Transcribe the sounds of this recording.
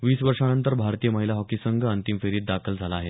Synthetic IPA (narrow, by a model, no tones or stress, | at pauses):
ʋiːsʋəɾʂanənt̪əɾbʱaɾt̪iːjəməɦilaɦɔkisəŋɡʱənt̪imfeɾiːt̪̚d̪akʰəld͡zʱalaːɦe